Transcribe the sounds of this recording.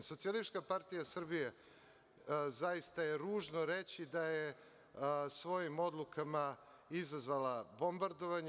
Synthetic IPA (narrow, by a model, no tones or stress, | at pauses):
so̞t̪sialist̪kapaɾt̪ijasr̩bije̞ | zajist̪aje̞ɾuːʒno̞ɾet͡ɕid̪aje | sʋo̞jimo̞d̪lˠukʰama | izazʋalˠabo̞mbaɾd̪o̞ʋaɲ